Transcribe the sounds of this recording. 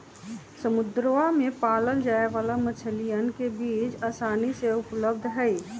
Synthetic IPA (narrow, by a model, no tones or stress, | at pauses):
səmʊd̪ɾamẽpaːləld͡ʒaːeʋaːlamət͡ʃʰəlijənkebiːt͡ʃaːsaːniseʊpləb̚d̪ʱɦɛi